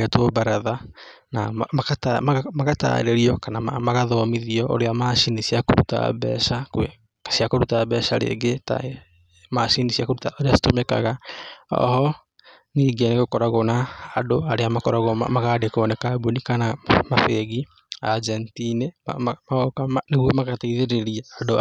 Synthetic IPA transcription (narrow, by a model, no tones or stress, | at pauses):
etobaɾaða | naakatamamakata̰ḛɾeɾiɔkanama̰maɣaðɔmiðiɔʔo̰ɾeamaʃinisiako̰ɾṵta̰βɛ̰ʃake | siakoɾutaβɛːʃaɾḛɡeta̰ | maʃinisiakoɾutaoɾeasi̥tomɛka̰ɣaɔ̰hɔ | niːɡeneɣokɔɾaɣonaːdoaɾeamakɔɾaɣoma̰maɣadekoːnɛkabunikanamafeɣi | ad͡ʒɛntine | neɣwemaɣataiðeɾeɾiaːdo